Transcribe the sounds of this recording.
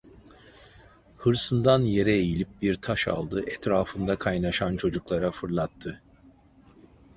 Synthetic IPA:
hɯɾsɯnd̪anje̞ɾɛejilʲip̚biɾt̪ʰaʃa̰lˠd̪ɯʔɛt̪ɾaːfɯnd̪akʰajnaʃant͡ʃʰo̞d͡ʒuklˠaɾafɯɾlˠat̪ʰːɯ

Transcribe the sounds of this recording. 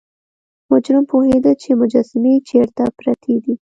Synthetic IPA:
mʊd͡ʒɾɪmpohed̪ət͡ʃemʊd͡ʒasɪmet͡ʃeɾt̪apɾat̪ʰed̪i

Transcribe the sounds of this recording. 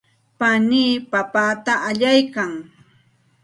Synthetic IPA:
paniːpapaːt̪aʔaʎajkaŋ

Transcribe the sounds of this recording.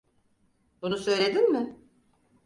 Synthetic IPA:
bunusø̞jlʲe̞d̪inmɪ

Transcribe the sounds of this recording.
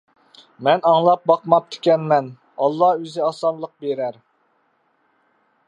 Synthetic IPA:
mɛnɑŋlˠɑp̚bɑqmɑp̚t̪ʰɪ̥kʲɛnmɛn | ɑlˠːɑøzɪɑsɑnlˠəq̚beɾæɾ

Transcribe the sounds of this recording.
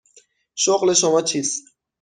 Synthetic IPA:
ʃoɣleʃomɒːt͡ʃʰiːs

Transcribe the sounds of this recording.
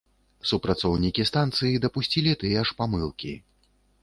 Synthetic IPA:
supɾat̪sɔwnʲikʲist̪ant̪sɨjid̪ɐpusʲt͡sʲilʲit̪ɨjɛʂpamɨlˠkʲi

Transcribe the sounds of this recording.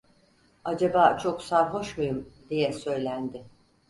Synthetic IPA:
ad͡ʒabaːt͡ʃʰo̞ksaɾɦo̞ʃmujumd̪ijɛsø̞jlʲænd̪ɪ

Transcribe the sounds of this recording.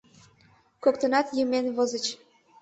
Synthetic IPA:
kokt̪ə̆nɑt̪jəmenβozə̆t͡ɕ

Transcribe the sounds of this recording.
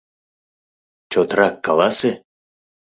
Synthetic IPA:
t͡ɕot̪rɑkːɑlˠɑse

